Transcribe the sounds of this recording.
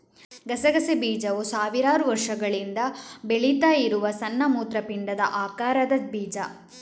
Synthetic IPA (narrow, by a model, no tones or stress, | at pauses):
ɡɐsɐɡɐsebiːd͡ʒɐʋusaːʋiɾaːɾuʋɐɾʂɐɡɐɭind̪ɐbeɭit̪aːjiɾuʋɐsɐnːɐmuːt̪ɾɐpiɳɖɐd̪ɐ̰ʔaːkaːɾɐd̪ɐbiːd͡ʒɐ